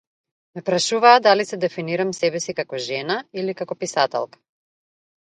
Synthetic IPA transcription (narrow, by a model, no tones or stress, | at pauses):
mɛpɾaʃuvaːd̪alisɛd̪ɛfiniɾamsɛbɛsikakɔʒɛnailikakɔpisat̪ɛ̰lˠkḁ